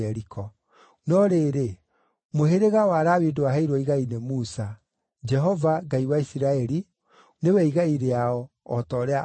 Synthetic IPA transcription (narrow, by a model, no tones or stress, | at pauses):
ɛɾikʰɔ | nɔɾeɾe | moɦeɾeɣawaðawidiwaɦɛiɾwɔiɣainemusa | d͡ʒɛɦɔvaɡaiwaisiɾaɛɾi | newɛiɣaiɾeaɔː | tɔɾea